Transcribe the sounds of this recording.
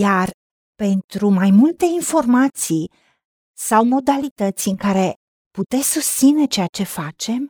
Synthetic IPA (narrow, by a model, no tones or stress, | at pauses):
jar | pe̞nt̪ɾumajmult̪e̞info̞rmat̪si | sawmo̞d̪alit̪ət̪sʲɨŋkaɾe̞ | put̪e̞sʲsust̪sine̞t͡ʃe̞at͡ʃe̞fat͡ʃe̞m